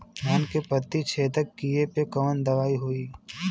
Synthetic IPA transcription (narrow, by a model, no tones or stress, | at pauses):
ɦaːnkepət̪ːit͡ʃʰeːt̪əkiepekɐʋənd̪ɐʋaːiɦuiː